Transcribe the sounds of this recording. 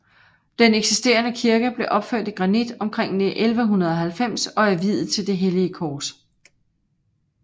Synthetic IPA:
d̥eneɡ̥sisd̥e̝̰ːɐnəkʰiɐɡ̥əb̥le̝ʔɒ̽b̥føɐ̰d̥iɡ̥ʁɑ̈nid̥ɒ̽mkʰʁeŋ̰neʔelʋəɦunɐð̞ˠɒ̽ɦælfem̰sɒ̽æɐʋið̰ˠð̩ˠt͡sʰe̝ld̥e̝ɦeliəkʰɒːs

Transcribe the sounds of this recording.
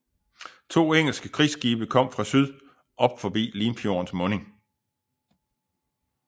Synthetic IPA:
t͡sʰo̝̰ːeŋ̰l̩sɡ̥əkʰʁḭsɡ̥iːb̥əkʰɒ̽m̰fʁɑ̈syð̞ˠ | ʔɒ̽b̥fɒb̥ḭːliːmfjo̝ɐnsmɔ̽ːne̝ŋ

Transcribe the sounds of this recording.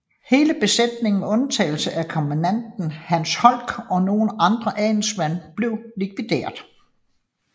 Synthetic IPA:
he̝ːləb̥e̝sed̥ne̝ŋn̩ɔ̽nt͡sʰɛ̰ːɪl̩səʔækʰɒ̽mænæn̰d̥n̩hænshɒ̽l̰ɡ̥ɒ̽no̝ːn̩ɑ̈nd̥ʁɐʔɛn̩smæn̰b̥le̝ʊ̰likʰʋid̥e̝̰ːɐ̰ðˠ

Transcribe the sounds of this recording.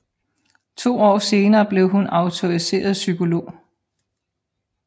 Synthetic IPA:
t͡sʰo̝̰ːɒ̰ːse̝ːnɐːb̥le̝ʊɦunɑ̈ʊt͡sʰo̝ʁise̝̰ːɐð̞̩ˠsykʰo̝lo̝̰ː

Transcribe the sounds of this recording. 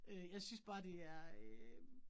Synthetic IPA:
øjɑ̈ɪsynsb̥ɑ̈ːd̥e̝æɐ

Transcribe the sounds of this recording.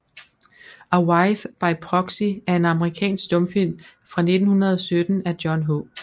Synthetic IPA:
ʔɑwɑɪfb̥ɑ̈ɪpʰʁɒ̽ɡ̥siæɐe̝nɑ̈məʁikʰɛ̰ːnsɡ̥d̥ɔ̽mfil̰mfʁɑ̈ne̝d̥n̩hunɐð̞ˠɒsød̥n̩æd̥jɒnɦo

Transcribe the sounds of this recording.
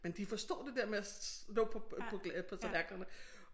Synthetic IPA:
mend̥ifɒ̽sd̥ɔ̰̽ːd̥e̝d̥eɐ̰meælɔ̰ːpʰɒ̽pʰɒ̽ɡ̥pʰɒ̽t͡sʰlæɐɡ̥l̥ɐnə

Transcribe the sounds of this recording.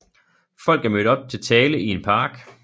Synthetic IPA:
fɒ̽l̰ɡ̥æɐmød̥ɒ̽b̥̚t͡sʰe̝lt͡sʰɛːləie̝npʰɑ̈ːɡ̥

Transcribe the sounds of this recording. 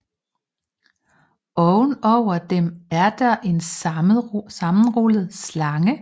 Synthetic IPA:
ɒ̽ʊnɒʊ̰ɐd̥emæɐd̥ɑ̈ʔe̝n | sɑ̈mn̩ʁoləð̩ˠslɑ̈ŋə

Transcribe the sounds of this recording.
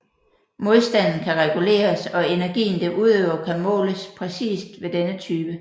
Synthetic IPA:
mo̝ð̞ˠsd̥æn̰n̩kʰæʁɛɡ̥ule̝̰ːɐsɒ̽e̝næɐɡ̥ḭːn̩d̥eʔuð̞ˠøʊɐkʰæmɔ̰̽ːləspʰʁɛsḭːsd̥ʋe̝d̥enət͡sʰyːb̥ə

